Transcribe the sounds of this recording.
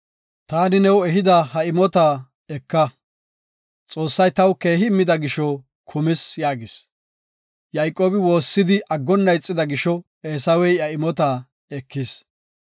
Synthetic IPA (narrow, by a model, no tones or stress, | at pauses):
t̪aːnɪnɛwɛɦɪd̪ɐhɐɪmɔt̪aː | ɛkːɐ | t͡sʼo̞ːsːɐjt̪ɐwke̞ːɦɪmːɪd̪ɐɡɪʃɔ | kʰʊmɪsjaːɡɪs | jɐjkʼːo̞ːbɪwo̞ːsːɪd̪ɪʔɐɡːɔnːɐjt͡sʼːɪd̪ɐɡɪʃɔ | eːsɐwɛjɐɪmɔt̪aː | ɛkːɪs